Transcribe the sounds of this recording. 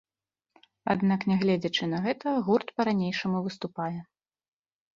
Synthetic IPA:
a̰d̪naknʲɛɣlʲɛd͡zʲɐt͡ʂɨnɐɣɛt̪ɐɣurt̪pɐɾanʲejʂɐmuvɨst̪upajɛ

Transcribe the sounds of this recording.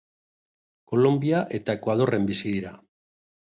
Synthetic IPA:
ko̞lo̞mbiaʔe̞t̪ae̞kwaðo̞re̞mbisiðiɾa

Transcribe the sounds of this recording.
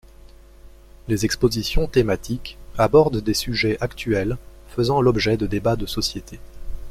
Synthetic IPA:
lezɛkspozisjɔ̃t̪emat̪ikabɔʁd̪d̪esyʒɛʔakt̪ɥɛl | fəzɑ̃lɔbʒɛd̪əd̪ebad̪əsɔsjet̪ʰe

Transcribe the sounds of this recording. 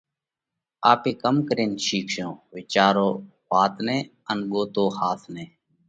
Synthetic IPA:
aːpeːkəmkəɾiːnʃiːkʰʃjõːʋɪt͡ʃaːɾoː | ʋaːt̪ʰneː | ənɠoːt̪oːhaːt̪ʰneː

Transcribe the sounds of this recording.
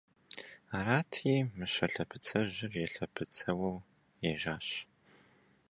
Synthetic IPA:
aɾaːtʰiːmɨɕɐɬɐpʰɨt͡sʰɐʑɪrjɛɬɐpʰɨt͡sʰɐwɐw | jɛʒaːɕ

